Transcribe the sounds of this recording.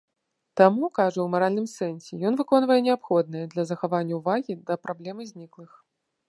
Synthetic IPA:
t̪amukaʐɐwmaɾalʲnɨmsɛnsʲɛjɔnvɨkɔnvɐjɛnʲɛapxɔd̪̚nɐjɐd̪lʲɐzɐxavanʲːɐwvaɣʲid̪ɐpɾʔablʲɛmɨzʲnʲiklˠɨx

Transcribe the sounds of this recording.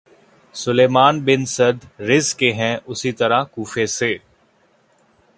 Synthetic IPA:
sʊleːmaːnbɪnsəd̪ɾɪzkeɦɛ̃ːʔʊsit̪əɾakuːfeseː

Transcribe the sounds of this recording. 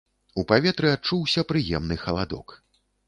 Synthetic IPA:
upavʲɛt̪ɾɨat͡ʂuwsʲɐpɾɨjɛmnɨxɐlˠad̪ɔ̰k

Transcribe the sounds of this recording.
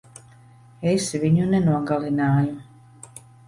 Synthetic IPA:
esʋiɲunenuɔɡalinaːju

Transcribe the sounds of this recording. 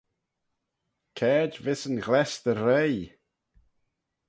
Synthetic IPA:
kʰɛːdvɪsənɡlɛstəɾej

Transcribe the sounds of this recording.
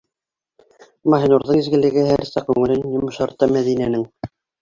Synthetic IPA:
mɑɦinuɾðɤɴizɡɘ̆lɘ̆ɡɘɦæɾsæk̚kʉŋɘ̆lɘnjŏmɤ̆ʃɑɾt̪ːɑmæðinænɘŋ

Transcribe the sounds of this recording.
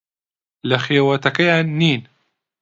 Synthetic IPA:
laxiːwat̪akajanːiːn

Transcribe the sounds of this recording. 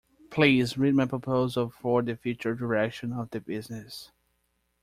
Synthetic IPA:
pʰl̥izɹid̚maɪpʰɹ̥ɔpʰoʊzəlˠfɔ˞ðɨfjʉt͡ʃə˞dəɹɛkʃɨ̃nʌvðɨbɪznɪs

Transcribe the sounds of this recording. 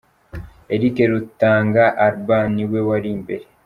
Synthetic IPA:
eɾikeɾutːaːŋɡaʔaɾbaːniwewaɾiːmbe̞ɾe

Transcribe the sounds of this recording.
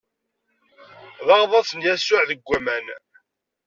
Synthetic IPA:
ðɑʁðˤɑsənjæsːʊʕðəɡʷːæmæn

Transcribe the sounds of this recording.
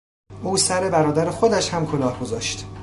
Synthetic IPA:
ʔuːsæɾebæɾɒːd̪æɾexod̪æʃhæmkʰo̞lɒːhɡo̞zɒːʃt̪

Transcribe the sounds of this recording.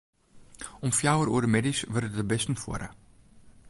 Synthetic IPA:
ɔmfjawəɾṵərdəmɛdisʋərətəbɛstən̩fṵəɾə̰

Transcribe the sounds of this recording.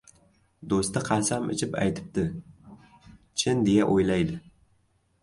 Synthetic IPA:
d̪ost̪aqʰɑsamʔɪ̰t͡ʃʰɪpa̰jt̪ʰɪ̥p̚t̪ɪ | t͡ʃʰɪnd̪ejaʔojlajd̪ɪ

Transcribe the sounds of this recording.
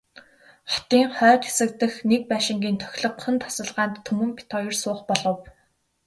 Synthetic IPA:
χɔ̥t̪iːŋχœːt̪xe̥sɘ̆kt̪ɘ̆xnek̚pæːʃɪ̆ŋɡʲiːnt̪ʰœ̥xʲɮɞ̆qχə̆nt̪ʰḁsə̆ɮʁaːnt̪ʰːumɵ̆mpʰi̥t̪ʰɔjĭrsʊːχpɔɮɞ̆w

